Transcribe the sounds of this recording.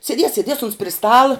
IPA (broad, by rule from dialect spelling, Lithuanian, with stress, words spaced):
sʲɛˈdʲiɛs sʲɛˈdʲiɛs ʊns pʲrʲɪ ˈstɑːlˠɐ